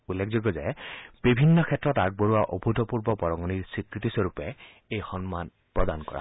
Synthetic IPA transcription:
ulːekʰzoɡɔzɛb̥ibʱinːɔkʰɛtːɹɔtaɡ̚boɹuwaʔobʱutɔpuɹbɔpɔɹɔŋɔniɹsɹikɹitisɔɹupɛ | ejxɔnman | pɹɔdankɔ̰ɹa̰

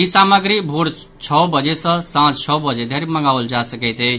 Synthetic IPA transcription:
isaməɡɾibʱuɾ | t͡ʃʰɔbəd͡ʒesə̃sãt͡ʃt͡ʃʰɔbəd͡ʒed̪ʱeɾməŋɡaʊld͡ʒasəkɛɪt̪ejt͡ʃʰ

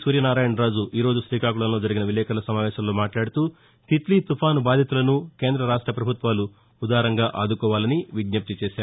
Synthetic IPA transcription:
suːɾjɐnaːɾaːjɐɳɾaːd͡ʒuʔiːɾo̞ːd͡ʒuʃɾiːkaːkuɭɐnlo̞ːd͡ʒɐɾiɡinɐʋilːɛːkɐlɐsɐmaːʋɛːʃɐmlo̞ːmaːʈlaːɽut̪uː | t̪it̪lit̪upʰaːnubaːd̪ʱjit̪ulɐnuke̞ːnd̪ɾɐɾaːʂʈɾɐpɾɐbʱut̪ʋaːlu | ud̪aːɾɐŋɡaːʔaːd̪ukɔːʋaːlɐniʋiɡɲɐp̚t̪it͡ʃeːʃaːɾu

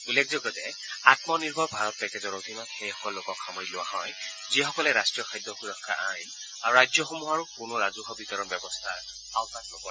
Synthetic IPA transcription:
ulːekʰzɔɡɔtɛ | atmɔniɹbʱɔɹbʱaɹɔt̚pɛkɛzɔɹot̪ʰimakxejxɔ̥kɔllːokɔkxɔmɔjilʊwa̰hɔj | zixɔkɔlɛɹastɹijɔxʰajdːɔxuɹɔkʰːa̰ʔajn | aɹuɹajzɔxɔmuɦaɹukʊnʊɹazukʰɔbitɔɹɔnbjɔbɔstʰa | awtatnɔkɔ

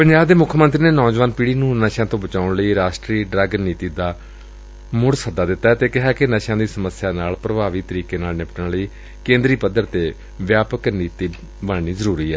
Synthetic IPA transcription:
pəɲd͡ʒaːbd̪eːmʊkʰːmə̃nt̪ɾiːneːnɔːd͡ʒʋaːnpiːɽiːnũːnəʃãːt̪õːbət͡ʃaːʊɳləiːɾaːʃʈɾiːɖɾəɡniːt̪iːd̪aː | mʊɽsəd̪aːd̪ɪt̪ːaːɛt̪eːkɪɦaːkɪnəʃãːd̪iːsəməsjaːnaːlpɾəbaːʋiːt̪əɾiːkeːnaːlnɪpəʈəɳləiː | kẽːnd̪ɾiːpəd̪ːəɾt̪eː | ʋjaːpəkniːt̪iː | bəːniːzəɾuːɾiːɛː

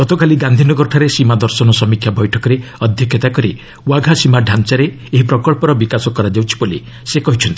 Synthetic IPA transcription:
ɡɔt̪ʰɔkaliɡand̪ʱinɔɡɔɾʈʰaɾesimad̪ɔɾsɔnɔsɔmikʰːjabɔjʈʰɔkɔɾeɔd̪ʱjɔkʰjɔt̪akɔɾi | waɡʱasimaɖʱant͡ʃaɾeː | ɦipɾɔkɔɭpɔɾɔbikasɔkɔɾad͡ʒawt͡ʃʰi̥boli | sekɔɦit͡ʃʰɔnt̪ii

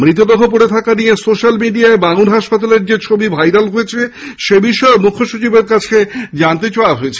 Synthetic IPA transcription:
mɾit̪od̪okʰop̬oɽet̪ʰakanijesoʃalmiɖiaebaŋuɾɦaʃpat̪aleɾd͡ʑet͡ɕʰobibʱajɾalɦojet͡ɕʰeʃebiʃɔemukʰːoʃut͡ɕibeɾkat͡ɕʰed͡ʑant̪̬et͡ɕaoaɦoet͡ɕʰe

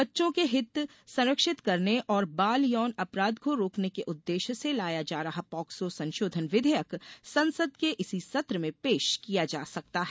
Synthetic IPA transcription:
bɐtːʃõkeɦɪt̪ | sɐ̃nɾəkʃɪt̪kɐɾneʔʔɔːɾbaːljɔːnɐpɾaːd̪koɾoːknekeʔʊd̪ːeːʃselaːjad͡ʒaːɾɐɦapɔːksosɐ̃nʃoːd̪ʱənʋɪd̪ʱəjəksɐ̃nsəd̪̚keʔɪsisɐt̪ɾəmẽpeːʃkijad͡ʒaːsɐk̚t̪aɦɛː

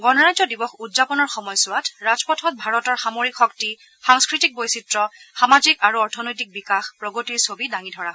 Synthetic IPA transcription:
ɡɔnɔɹajzɔdibɔxudzapɔnɔɹxɔmɔjsʊwatɹazpɔtʰɔt̚bʱaɹɔtɔɹxamoɹikxɔkti | xaŋskɹitik̚bojsitɹɔxamazikaɹuɔɹtʰɔnojtik̚bikaxpɹɔɡotiɹsobidaŋidʱɔɹaɦɔ

